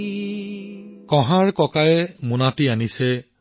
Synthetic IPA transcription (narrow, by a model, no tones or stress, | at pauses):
kɔ̃ɦaɹkɔkaɹɛmʊnatianisɛ